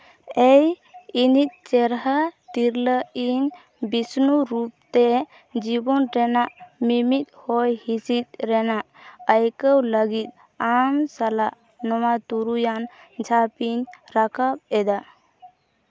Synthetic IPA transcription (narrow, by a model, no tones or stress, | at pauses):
ɛj | init̪̚ˀt͡ʃɛɾɦat̪iɾləiɲ | bisnuɾup̚t̪ɛ | d͡ʒibɔnɾɛnaʔmimit̪̚hɔjhisit̪̚ɾɛnaʔəjkəwləɡit̪̚ˀ | amsalaʔ | nɔmat̪uɾujand͡ʒʱapiɲɾakap̚ɛd̪a